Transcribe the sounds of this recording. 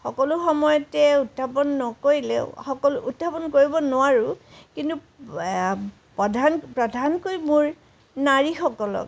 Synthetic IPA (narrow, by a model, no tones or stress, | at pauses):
xɔkɔlʊxɔmɔjɔtɛutpʰapɔnːɔkoɹilḛʊxɔkɔlutːʰapɔnkoɹibɔnʊwaɹʊkintu | pɔdʱanpɹɔdʱankojmuɹ | naɹixɔkɔlɔ̰k̚